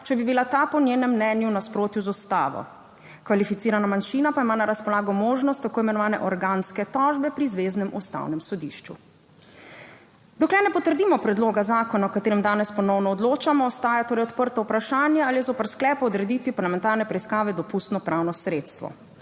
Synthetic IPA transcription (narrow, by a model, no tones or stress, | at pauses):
t͡ʃɛbibilat̪aːpɔnjeːnɛmːnɛːnjunaspɾoːt̪juzɔst̪aːʋɔ̰ | kʋalifit̪siːɾanamanʃiːnapaimaːnaɾaspɔlaːɡɔmoːʒnɔst̪ːakoːimɛnɔʋaːnɛ̰ʔɔɾɡanskɛt̪ɔʒbɛpɾizʋeːznɛmust̪a̰wnɛmsɔd̪ḭʃt͡ʃṵ | d̪ɔklɛnɛpɔt̪əɾd̪imɔpɾɛd̪loːɡazaːkɔnawkat̪eːɾɛmd̪aːnɛspɔnɔwnɔːd̪loːt͡ʃamɔːst̪aːjat̪oːɾɛjɔt̪pəɾt̪ɔupɾaʃaːnjaaːliɛzopaɾsklɛːpɔɔd̪ɾɛd̪iːt̪ʋipaɾlamɛnt̪aːɾnɛpɾɛiskaːʋɛd̪ɔpust̪nɔpɾawnɔsɾeːt̪st̪ʋɔ̰